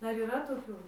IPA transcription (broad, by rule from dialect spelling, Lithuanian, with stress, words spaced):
ˈdɐr iːˈrɐ toːˈkʲuː